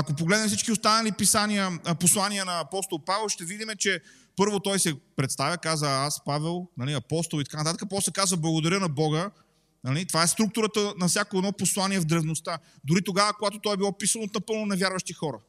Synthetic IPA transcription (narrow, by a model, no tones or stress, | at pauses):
ɐkop̬oɡlɛd̪nmfsit͡ʃkiost̪anɐlipisaniəposlˠaniənɐːpɔst̪olˠpavɛlˠʃt̪ɛvid̪imɛt͡ʃɛ | pɤɾvot̪ɔjsɛpɾɛt̪st̪avʲəkazəaspavɛlˠnɐliɐpɔst̪olˠit̪ɐkant̪at̪əkəpɔsɛkazəblˠɐɡod̪ɐɾʲjənɐbɔɡə | nɐlit̪ovaɛst̪ɾuk̚t̪ʊɾət̪ənɐfsʲjakoɛd̪nɔposlˠaniɛvd̪ɾɛvnost̪ad̪ʊɾit̪oɡavəkoɡat̪ot̪ɔjɛbilˠɔpisənot̪nɐpɤlˠnʊnɛvjaɾvəʃt̪ixɔɾə